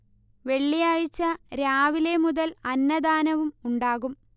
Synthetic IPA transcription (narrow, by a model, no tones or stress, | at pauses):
ʋe̞ɭːijaːɻit͡ɕːɐɾaːʋile̞muðɐlɐnːɐd̪aːnɐʋumuɳɖaːɣum